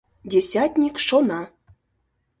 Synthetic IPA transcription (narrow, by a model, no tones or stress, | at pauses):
dʲesʲat̪ʲnʲikʃonɑ